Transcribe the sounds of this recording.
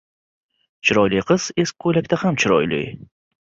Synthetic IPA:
t͡ʃʰɪɾɒjlɪjqʰɨz̥e̞skʲkʰɵjlakʲt̪ahamt͡ʃʰɪɾɒ̰jlɪ̰j

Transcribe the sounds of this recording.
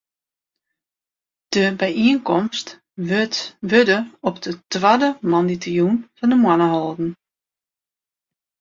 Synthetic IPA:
d̥əbɛjiənkɔmst | ʋødəɔpdətwadəmɔnditəjunfɔndəmwanəɦɔlˠdn̩

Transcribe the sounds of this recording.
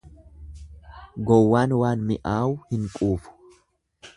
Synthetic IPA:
ɡɔwːaːnwaːnmɪʔaːʊhɪŋkʼuːfʊ̥

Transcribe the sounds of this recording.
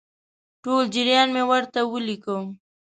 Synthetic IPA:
ʈold͡ʒɪɾjɑnmewəɾt̪awəlikəm

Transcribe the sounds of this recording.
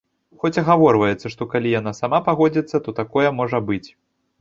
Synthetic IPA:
xɔt͡sʲɐɣavɔrvɐjɛt̪sːɐʂt̪ɔkalʲijanasamapaɣɔd͡zʲit̪sːɐt̪ɔt̪akɔjɛmɔʐɐbɨt͡sʲ

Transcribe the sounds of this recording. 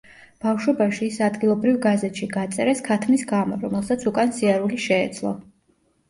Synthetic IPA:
b̥afʃwɔbaʃiːsad̪ɡilˠɔbɾivɡazɛt̪ʃiɡat̪sʼɛɾɛskʰat̪ʰmisɡamɔɾɔmɛlˠsat̪sʰukʼansiaɾuliʃɛːd̪zlˠɔ̰

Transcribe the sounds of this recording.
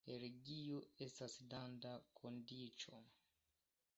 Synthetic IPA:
eɾeɡioe̞stasdandakʰo̞ndit͡ʃo̞̰

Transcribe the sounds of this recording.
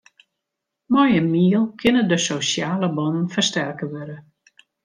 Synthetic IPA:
mɔjəmiəlˠkʰɪnədəsosjaːləbɔnənfərstɛrkəʋøɾə

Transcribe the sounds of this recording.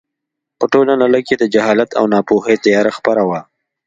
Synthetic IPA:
pəʈolanaləked̪əd͡ʒaɦɑlat̪ʰa̰wnɑpoɦət̪əjɑɾaxpəɾawa

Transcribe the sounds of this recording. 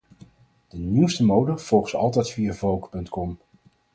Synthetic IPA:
d̥əniwstəmowdəv̥ɔlˠχəsɑ̰lˠtɛjtfiːɹvowkpɵntkɔm

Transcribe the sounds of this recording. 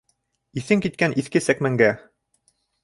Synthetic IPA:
iθɘŋkit̪̚kænʔiθkɘsækmæŋɡæ

